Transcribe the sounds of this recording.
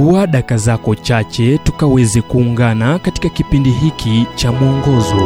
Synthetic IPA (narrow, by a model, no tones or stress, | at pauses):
uaɗakazakɔt͡ʃat͡ʃɛtukawɛzɛkuːŋɡanakati̥kakipindiɦikʰit͡ʃamuɔŋɡɔzɔ